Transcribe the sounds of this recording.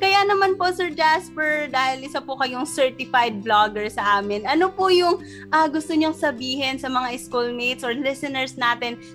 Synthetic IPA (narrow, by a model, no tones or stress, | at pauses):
kɐjanɐmanposɛɹd͡ʒaspɛɹd̪aːhɪlʔɪsɐpʊkɐjoŋsɛɹt̪ɪfajd̪̚blaɡɛɹsɐʔaːmɪnʔɐnopojʊŋ | ʔɐːɡʊst̪oɲoŋsɐbiːɦɛnsɐmɐŋaʔɪskulmijt̪̚sʔoɹlɪsɛnɛɹsnaːt̪ɪn